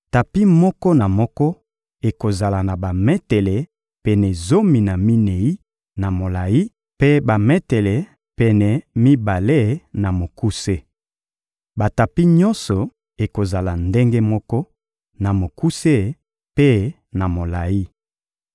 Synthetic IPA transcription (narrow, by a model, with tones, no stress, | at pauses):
ta˨pi˦mɔ˦kɔ˦na˨mɔ˦kɔ˦ | e˨ko˨za˨la˨na˨ba˨mɛ˦tɛ˨lɛ˨ | pɛ˨nɛ˨zo˦mi˨na˨mi˦ne˨i˦ | na˨mo˨la˨ji˦ | pe˦ba˨mɛ˦tɛ˨lɛ˨ | pɛ˨nɛ˨mi˦ba˨le˦na˨mo˨ku˦se˦ | ba˨ta˨pi˦ɲɔ˦nsɔ˨ | e˨ko˨za˨la˨nde˦ŋɡe˦mɔ˦kɔ˦ | na˨mo˨ku˦se˦˨ | pe˦ | na˨mo˨la˨ji˦